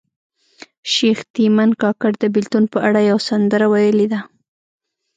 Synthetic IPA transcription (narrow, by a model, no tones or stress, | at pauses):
ʃext̪imankɑkaɽd̪əbɪlt̪unpəʔaɽajawasand̪əɾawajəled̪a